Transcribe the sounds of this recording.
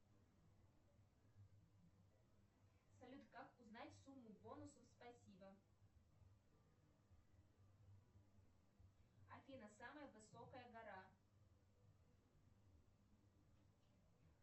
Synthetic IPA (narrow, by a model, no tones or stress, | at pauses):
sɐlʲut̪kakuznat͡sʲsumːubɔnusufspasʲibɐ | afʲinɐsamɐjɐvɨsɔkɐjɐɣaɾa